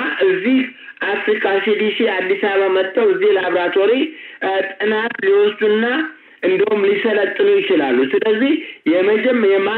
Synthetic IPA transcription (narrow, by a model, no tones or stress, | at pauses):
ʔɨzːih | ʔafɾikʼaʃid̪iʃiad̪ːisaβamət̪ʼːəwɨzːihləaβɾat̪ʰʼoɾit̪ʼɨnat̪liwɔsd̪unːa | ʔɨnd̪ihumlisələt̪ʼːɨnujɪt͡ʃɪlalːusɨləzːihjɛməd͡ʒɛmːəjɛma